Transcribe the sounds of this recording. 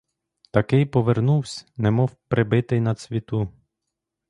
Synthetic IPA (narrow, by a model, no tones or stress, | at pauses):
t̪ɐkɪjpɔʋernuwsʲnɛmɔwpɾɪbɪt̪ɪjnɐsʲʋʲit̪u